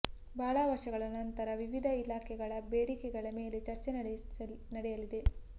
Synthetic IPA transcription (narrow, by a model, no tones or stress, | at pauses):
bʱaːɭɐʋɐɾʂɐɡɐɭɐnɐnt̪ɐɾɐʋiʋid̪ʱɐilaːkʰɛɡɐɭɐbeːɽikɛɡɐɭɐme̞ːle̞t͡ʃɐɾt͡ʃe | nɐɽɛjɐlid̪e̞